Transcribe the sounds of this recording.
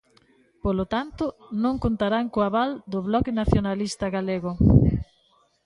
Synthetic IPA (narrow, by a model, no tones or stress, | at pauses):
polot̪ant̪ʊnõŋkont̪aɾaŋkoaβald̪ʊβlɔkenaθjonalist̪ɐɣaleɣʊ